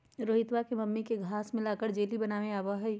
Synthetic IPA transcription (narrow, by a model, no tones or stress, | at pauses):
ɾoːɦɪt̪ʋakemɐmːikeɡʱaːsmẽlaːkəɾd͡ʒeːlibɐnaːʋẽaːʋaɦɛ